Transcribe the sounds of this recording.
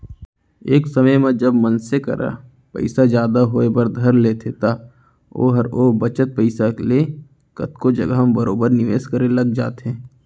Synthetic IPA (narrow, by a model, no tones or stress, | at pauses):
eːksɐməjmẽd͡ʒəbmənsekɐ̰ɾʔa̰ | pə̰ɪsad͡ʒjaːd̪aɦoːebəɾd̪ʱɐɾleːt̪ʰet̪a | o̰ːɦɐɾoːbət͡ʃət̪̚pəɪsale | kə̰t̪kod͡ʒɐɡaɦmbəɾoːbəɾnɪʋeːskəɾelɐɡd͡ʒaːt̪ɦẽː